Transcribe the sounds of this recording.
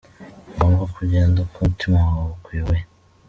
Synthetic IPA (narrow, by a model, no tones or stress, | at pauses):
boːŋɡokʰuɟeːndakʰumtʰimawaukwiːwe